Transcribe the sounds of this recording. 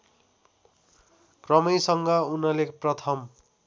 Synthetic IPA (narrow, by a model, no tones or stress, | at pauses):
krʌmʌjsʌŋɡʌunʌleprʌt̪ʰʌm